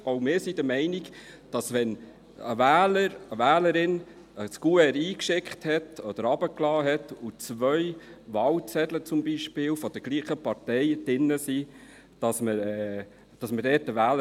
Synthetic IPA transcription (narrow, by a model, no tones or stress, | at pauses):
oʊmɪːɾsid̥̪əmɛɪniɡd̥ɑsʋɛn | əʋæːləɾəʋæːləɾɪn | əskuɛɾiːkʃɪkχthɛtɔd̥əɾɑbəklɑːɦɛtut͡sʋœjʋɑwt͡sɛdlət͡sʊmbiʃpɪːlfɔd̥̪əɡ̥liːχəpɑɾtɛɪd̥ɪnːəsi | d̥ɑsməɾɛː | d̥ɑsmədɛːtəʋæːlə